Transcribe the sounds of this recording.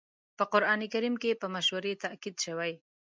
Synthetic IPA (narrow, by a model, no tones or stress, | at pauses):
pəqʊɾɑnikaɾimkepəmaʃwəɾet̪akid̪ʃəwaj